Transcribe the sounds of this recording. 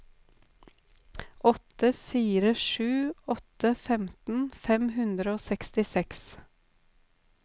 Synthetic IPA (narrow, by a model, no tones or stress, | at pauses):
ʔɔt̪əfiːɾəʃʉːɔt̪əfɛmt̪n̩fɛmhʉnd̪ɾəoːsɛkst̪ɪsɛks